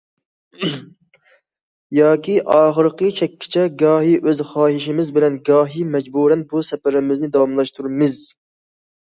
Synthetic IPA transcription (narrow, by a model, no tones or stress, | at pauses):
jɑːkʲʰiʔɑːχəɾqət͡ʃʰɛkʲʰːɪ̥t͡ʃʰɛɡɑːɦiʔøzχɑːɦiʃɪmɪzbɪlɛnɡɑːɦimɛd͡ʒbuɾɛnbusɛpɪɾɪmɪznɪd̪ɑwɑmlˠɑʃt̪ʰuɾmɪz